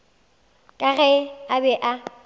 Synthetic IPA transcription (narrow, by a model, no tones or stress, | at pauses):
kʼaɣɛabɛʔa